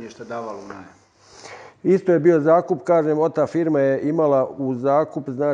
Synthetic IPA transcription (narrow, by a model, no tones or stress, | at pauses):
eʃt̪ad̪aːʋalona | ist̪oje̞bio̞zaːkupkaːʒeːmot̪aːfiːɾmajeʔimalauzaːkupznaː